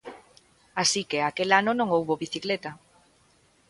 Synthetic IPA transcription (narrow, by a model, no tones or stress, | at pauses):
asikeakelanonõŋowβoβiθiklet̪a